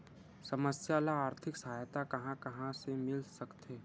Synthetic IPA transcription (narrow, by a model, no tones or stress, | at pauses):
sɐməsjaːlaaːɾt̪ʰɪksɐɦaːjt̪akɐɦãkɐɦãsemɪlsɐkt̪eː